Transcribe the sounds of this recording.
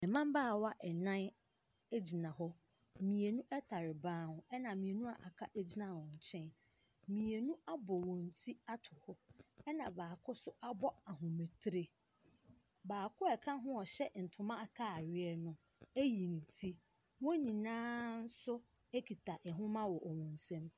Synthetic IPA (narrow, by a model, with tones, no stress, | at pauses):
ɛ˨mã˦mbaː˦˨wa˦ʔɛ˨nã˦n | e˦d͡ʑi˨nã˨ɦɔ˦ | mĩ˨e˨nũ˦ʔɛ˦tʰa˨ɾɪ˨bãː˦hʊ̃˨ɛ˦nã˨mĩ˨e˨nũ˦a˨ʔa˨kʰa˦ʔe˦d͡ʑi˦nã˨wɔ̃˨ɲ̩˨t͡ɕʰɛ̃˦n | mĩ˨e˨nũ˦a˦bɔ˨wɔ̃˨n̩˨tʰi˦a˦tʰʊ˨hɔ˦ɛ˦nã˨baː˨kʰʊ˦sʊ˦ʔa˦bɔ˦a˨ɦʊ̃˨me˨tʰɾe˨ | baː˨kʰʊ˦ɛ˨kʰã˦ɦʊ̃˦ɔ˨ɕɛ˦n̩˨tʰʊ˨mã˦a˦˨kʰa˦˨ɥɪ˦ɛ˦nʊ̃˦ | æ˦ji˨nĩ˨tʰi˦ | wɔ̃˦nĩ˨nãː˦n̩˦sʊ˦ | e˦kʰi˨tʰa˨ʔɛ˨ɦʊ̃˦mã˦wɔ˨ʔɔ˨wɔ̃˨n̩˨sɛ̃˦m